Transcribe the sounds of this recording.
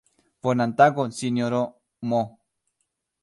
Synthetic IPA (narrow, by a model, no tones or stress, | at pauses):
ponant̪akonsinjoɾo | mo